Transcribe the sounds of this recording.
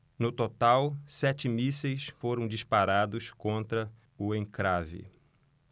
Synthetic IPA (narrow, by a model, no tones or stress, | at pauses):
nʊt̪ot̪awsɛt͡ʃɪmisejsfoɾɐ̃w̃d͡ʒispaɾad̪ʊskõnt̪ɾɐ | ʊẽŋkɾavɪ̰